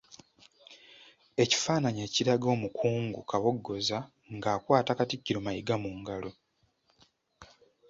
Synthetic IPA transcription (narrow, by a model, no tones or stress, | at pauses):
e̞ci̥faːnaɲeːciɾaɡo̞ːmukʰuːŋɡukaβo̞ɡːo̞za | ŋɡaːkwaːtakaticːiɾo̞majiɡamuŋɡalo̞